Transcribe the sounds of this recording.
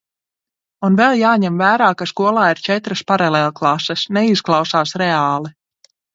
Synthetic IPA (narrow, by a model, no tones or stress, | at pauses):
unvɛlˠjaːɲɛmvæːɾaːkaskuɔlˠaːiɾt͡ʃɛt̪ɾaspaɾaleːlˠklˠasɛsnɛisklˠawsaːsɾɛaːlˠi